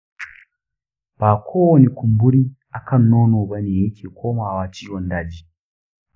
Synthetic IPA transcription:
pa˨kʰɔ˦wɔ˦ni˨ku˨mbu˦ɾi˦ | a˨kʰa˦nːɔ˦nu˨βa˦ni˨ɦi˦kʰi˨kʰɔ˦ma˨wa˨t͡ʃi˦wɔ˨nda˨d͡ʒi˨

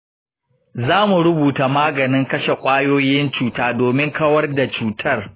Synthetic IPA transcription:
zaː˦mu˨ɾʊ˦buː˨ta˨maː˦ɡɐ˨nɪ˦ŋkɐ˦ʃe˨kʷʼaː˦joː˦jɪ˦nt͡ʃuː˨taː˦doː˨mɪ˦ŋkɐ˦wɐ˦rda˨t͡ʃuː˦tʰɐ˦r

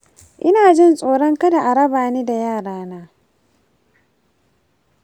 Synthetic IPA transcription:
ʔɪ˦naː˨d͡ʒɪ˦nsʼoː˨ɽɔ˦ŋka˦da˨ʔa˨ɾɐ˦baː˨neː˦da˨jaː˦˨ɽaː˦naː˦

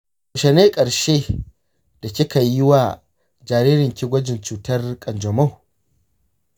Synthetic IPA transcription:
ʃɛ˨neː˦kʼɐ˨ɾʃeː˦ | d̥a˨kʲɪ˦ka˨jɪ˦wa˨ | d͡ʒaː˨ɾiː˦ɾɪ˨ŋkʲɪ˦ɡʷɐ˦d͡ʒɪ˨nt͡ʃuː˨tɐ˦rkʼɐ˨nd͡ʒɔ˨ma˦w

